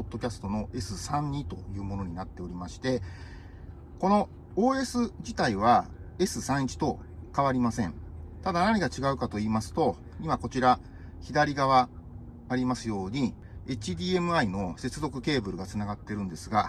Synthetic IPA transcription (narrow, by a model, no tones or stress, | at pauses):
od̪ːo̞kʲasɨ̥t̪o̞no̞ʔe̞sɨsãɲ̟ɲit̪o̞jɯ̟ːmo̞no̞ɲ̟inat̪ːe̞o̞ɾʲimaɕi̥t̪e̞ | ko̞no̞ | o̞ːe̞sɨd͡ʑit̪aiβ̞a | e̞sɨsãɰ̃it͡ɕi̥t̪o̞kaβ̞aɾʲimasẽ̞ɴt̪ad̪anaɲ̟iɡat͡ɕiɡaɯ̟kat̪o̞iːmasɨ̥t̪o̞ | imako̞t͡ɕiɾa | çid̪aɾʲiɡaβaː | ɾʲimasɨjo̞ːɲ̟i | et͡ɕid̪ʲiːe̞mɯ̟aino̞se̞t͡sɨzo̞kɯ̟ke̞ːbɯ̟ɾɯ̟ɡat͡sɨnaɡat̪ːe̞ɾɯ̟̃nd̪e̞sɨɡa